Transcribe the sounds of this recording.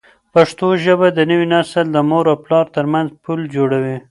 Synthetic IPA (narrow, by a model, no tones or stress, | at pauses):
paʂt̪oʒəbad̪ənəwinasəld̪əmoɾawplɑɾt̪əɾmanzpʰuld͡ʒoɽawi